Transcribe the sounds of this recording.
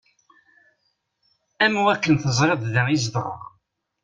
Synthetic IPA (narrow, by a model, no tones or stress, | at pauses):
æmwækːənθəzˤɾeðˤðəizðˤərˤə̰ʁ